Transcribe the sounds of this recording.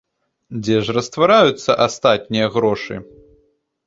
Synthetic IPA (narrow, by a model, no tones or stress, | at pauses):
d͡zʲɛʐrɐst̪vaɾajut̪sːɐʔast̪at̪̚ʲnʲijɐɣɾɔʂɨ̰